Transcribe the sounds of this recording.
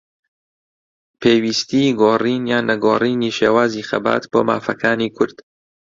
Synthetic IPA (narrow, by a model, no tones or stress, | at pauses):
pʰeːwiːst̪iːɡoːriːnjaːnɐɡoːriːniːʃeːwaːziːxɐ̰ba̰ːt̪b̥oːma̰ːfɐkʰaːniːkʰʊɾd̪̥